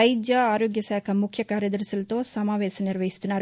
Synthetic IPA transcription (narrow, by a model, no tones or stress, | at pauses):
ɐjd͡ʒjɐaːɾoːɡjɐsaːkʰɐmukʰjɐkaːɾjɐd̪ɐɾsɐlɐt̪o̞ːsɐmaːʋɛːsɐniɾʋɐɦist̪unːaːɾ